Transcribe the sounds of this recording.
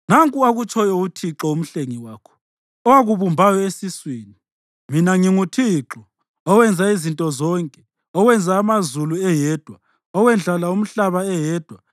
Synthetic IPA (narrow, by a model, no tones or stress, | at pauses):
naŋkʼuaɣut͡ʃʰʼɔjɔutʰiǁɔum̩ɬeŋiwaːkʰɔ̥ | ɔwaɣuβumbʱajɔesiswiːni | minaŋiŋutʰiǁɔ | ɔwɛnd͡zʱaizintʼɔzɔŋkʼɛ̥ | ɔwɛnd͡zʱaːmazuluɛjɛːd̥ʱwa | ɔwɛnd͡ɮʱalaum̩ɬaβaɛjɛːd̥ʱwa